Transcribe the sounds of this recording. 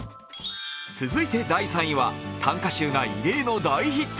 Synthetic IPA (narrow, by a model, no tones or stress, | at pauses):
t͡sɨzɨit̪e̞d̪aisãɰ̃ĩβat̪ʰãŋkaɕɨːŋaḭɾe̞ːno̞d̪aiçit̪ː